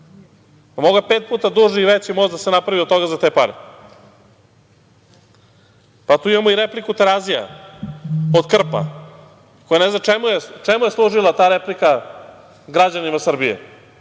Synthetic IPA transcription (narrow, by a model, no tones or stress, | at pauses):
pamo̞ɡapeːt̪̚puːt̪ad̪uːʒiːʋet͡ɕimo̞zd̪asenapɾaʋiot̪t̪o̞ɡazat̪epaɾḛ | pat̪uːimamoiɾeplikut̪eɾazija̰ | od̪kr̩pa̰ | kojaneznat͡ʃemujet͡ʃemujeslˠuʒilˠat̪aːɾeplika | ɡɾad͡ʑanimasr̩bijḛ